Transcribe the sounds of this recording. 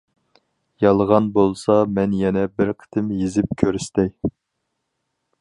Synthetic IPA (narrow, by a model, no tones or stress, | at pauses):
jɑlˠʁɑnbolˠsɑmɛnjɛnɛbɪɾqʰə̥t̪ʰɪmjizɪp̚kʲʰøɾyst̪ɛj